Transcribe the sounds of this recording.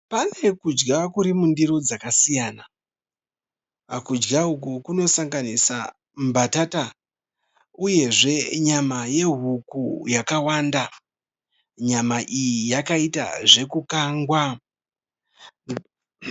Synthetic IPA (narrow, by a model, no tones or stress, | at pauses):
pane̞kud͡ʒɡakuɾimundiɾo̞d͡zakasijaːna | kud͡ʒɡaɦuk̬ukuno̞saŋɡanisa̰ | mbatata | uje̞ʐe̞ɲamaje̞ɦukujakawanda | ɲamaʔijijakaita̰ʐe̞kukaːŋɡwa